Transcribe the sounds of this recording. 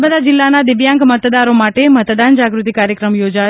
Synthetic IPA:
məd̪ad͡ʒɪlːanad̪ɪʋjãŋkmət̪d̪aɾomaʈemət̪d̪and͡ʒaɡɾut̪ikaɾjəkɾəmjod͡ʒa

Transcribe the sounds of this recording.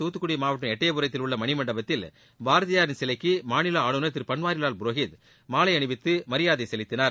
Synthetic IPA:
t̪uːt̪ːɯkːʊɽimaːʋɐʈːɯmɛʈːɐjɐpʊɾɐt̪̬ːɪlʊɭːɐmɐɳɪmɐɳɖɐbɐt̪ːɪl | baːɾɐðɪjaːɾɪnsɛlɐɪkːɯmaːnɪlɐaːɭɯnɐt̪̬ːɪɾpɐnʋaːɾɪlaːlbʊɾoːɣɪt | maːlɐɪɐɳɯʋɪt̪ːɯmɐɾɪjaːðɐɪsɛlɪt̪ːɪnaːɾ

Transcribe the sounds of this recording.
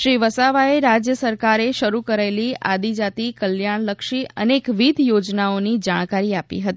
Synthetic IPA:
ʃɾiʋəsaʋaeɾad͡ʒjəsəɾkaɾeʃəɾukəɾaelia̰d̪id͡ʒat̪ikəljaɳ̃ləkʃiə̰nekʋid̪ʱjod͡ʒnaonid͡ʒaɽ̃kaɾiapḭɦət̪i

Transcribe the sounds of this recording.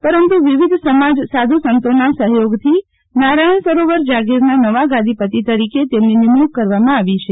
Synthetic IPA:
pəɾənt̪uʋiʋid̪ʱsəmad͡ʒsad̪ʱusənt̪onasəɦjoɡt̪ʰi | naɾajɳ̃səɾoʋəɾd͡ʒaɡiɾnanəʋaɡãd̪ʱipət̪it̪əɾiket̪emninimukkəɾʋamãaʋit͡ʃʰe

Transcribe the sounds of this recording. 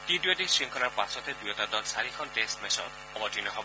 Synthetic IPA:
tidujatisɹiŋkʰɔlaɹpasɔt̪ed̪ujɔtad̪ɔtsaɹikʰɔntestmesɔ̰t | ɔbɔtinɔɦɔbɔ

